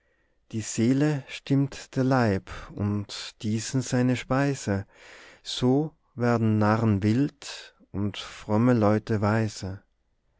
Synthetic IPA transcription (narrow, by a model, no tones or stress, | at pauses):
d̥iːz̥eːləʃtɪmtd̥eːɐlaɪpʊntd̥iːsn̩z̥aɪnəʃpaɪzə | z̥oː | vɛːɐdn̩naʁənvɪlt | ʊntfʁ̥ɔməlɔʏtəvaɪsə